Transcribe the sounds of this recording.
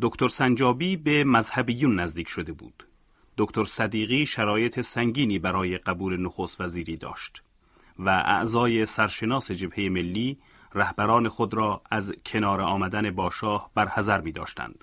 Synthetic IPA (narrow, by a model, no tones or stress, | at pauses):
d̪̥okt̪ʰoɾsænd͡ʒɒːbiːbe̞mæzhæbiːjunːæzd̪iːkcʰʃod̪e̞bṵːd̪̥ | d̪̥okt̪ʰoɾsæd̪iːɣiːʃæɾɒːje̞t̪ʰe̞sæŋɟiːniːbæɾɒːje̞ɢæbuːle̞noxost̪væziːɾiːd̪ɒ̰ːʃt̪ | væʔæ̰ʔzɒːje̞sæɾʃe̞nɒːse̞d͡ʒe̞bhe̞jeme̞lːiː | ræhbæɾɒːne̞xod̪ɾɒːæzkʰe̞nɒːɾeɒːmæd̪æne̞bɒːʃɒːhbæɾhæzæɾmiːd̪ɒ̰ːʃt̪æ̰nd̪̥